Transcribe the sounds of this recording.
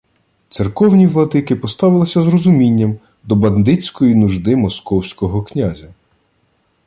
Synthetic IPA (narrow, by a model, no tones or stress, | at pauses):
t̪serkɔwnʲiʋlˠɐd̪ɪkɪpɔst̪ɑʋɪlˠɪsʲɐzrɔzʊmʲinʲːɐm | d̪ɔbɐnd̪ɪt͡sʲkɔjinuʒd̪ɪmɔskɔwsʲkɔɦɔknʲazʲɐ